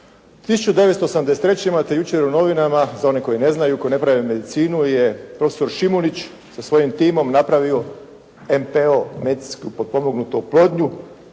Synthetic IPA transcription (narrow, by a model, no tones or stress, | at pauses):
t̪isut͡ʃud̪e̞ʋet̪st̪oosamd̪eset̪ɾet͡ɕeimat̪e̞jut͡ʃeɾuno̞ʋinamazao̞neko̞jine̞znajuko̞jinepɾaʋeme̞d̪it̪siːnuje̞pɾo̞feso̞ɾʃimunit͡ɕ | sasʋo̞jimt̪iːmo̞mnapɾaʋio̞ | empeomeskupo̞d̪̚po̞moɡnut̪oplˠo̞ːd̪ɲu